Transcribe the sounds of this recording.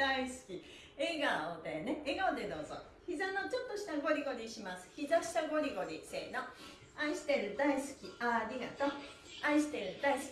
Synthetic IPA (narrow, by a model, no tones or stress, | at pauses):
aisɨ̥kʲi | eɡaod̪ene̞eɡaod̪e̞d̪o̞ːzo̰ | çizano̞t͡ɕo̞t̪ːo̞ɕi̥t̪aɡo̞ɾʲiɡo̞ɾʲiɕimasɨ̥çizaɕi̥t̪aɡo̞ɾʲiɡo̞ɾʲise̞̰ːno̞ | ãĩɕi̥t̪e̞ɾɯ̟d̪aisɨ̥kʲiaɾʲiɡat̪o | ãĩɕi̥t̪e̞ɾɯ̟d̪ais